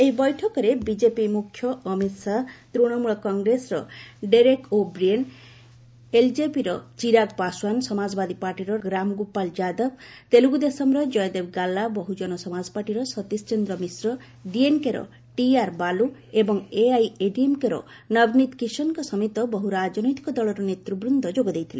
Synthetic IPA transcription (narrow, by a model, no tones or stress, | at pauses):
eɦibɔjʈʰɔkɔɾebid͡ʒepimukʰːjɔʔːmit̪sat̪ɾuɽ̃ɔmuɭɔkɔŋɡɾesɾɔɖeɾekobɾien | eld͡ʒepiɾɔt͡ʃiɾaɡpaswansɔmad͡ʒɔbad̪ipaɾʈiɾɔɡɾamɡupald͡ʒad̪ɔb̚ | t̪eluɡud̪esɔmɾɔd͡ʒɔjd̪ebɡalːabɔɦud͡ʒɔnɔsɔmad͡ʒɔpaɾʈiɾɔsɔt̪ist͡ʃend̪ɾɔmisɾɔ | ɖienkeɾɔ̰ | ʈiaɾbaluebɔŋeajeɖiemkeɾɔ̰ | nʌbnit̪kisɔnkɔsɔmit̪ɔbɔɦuɾad͡ʒɔnɔjt̪i̥kɔd̪ɔɭɔɾɔnet̪ɾubɾund̪ʱɔd͡ʒoɡɔd̪ejt̪ʰile